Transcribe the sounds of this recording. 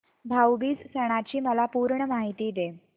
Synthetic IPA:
bʱawbiːd͡zsəɽ̃at͡ɕiːməlapuːɾɳəmaɦit̪iːd̪e

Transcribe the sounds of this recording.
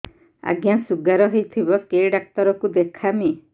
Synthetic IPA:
a̰ɡjasuɡaɾɔɦejt̪ʰibɔkeɖak̚t̪ɔɾɔkud̪ekʰami

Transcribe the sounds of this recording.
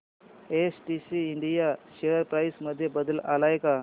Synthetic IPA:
esʈisiːɳɖijaɕeəɾpɾajsməd̪ʱːjebəd̪əlalaeka

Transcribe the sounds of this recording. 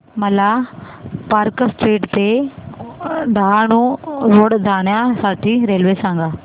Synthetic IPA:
məlaː | pəɾksʈeːʈt̪eː | ɖ̪aːnũːɾʊɽd̪aːnjãːsaːʈʰiːɾeːlʋeːsãːŋɡaː

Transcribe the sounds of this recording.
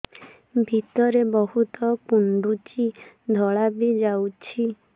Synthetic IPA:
bʱit̪ɔɾebɔɦut̪ɔkuɳɖut͡ʃi | d̪ʱɔɭabid͡ʒawt͡ʃʰi

